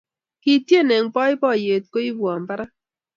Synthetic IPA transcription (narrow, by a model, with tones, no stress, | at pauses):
ki˨tje˦˨nɛ˨ŋpɔ˦ɪ˦pɔ˦˨je˨t̚ko˦i˦bwa˨m˨pa˦ɾa˦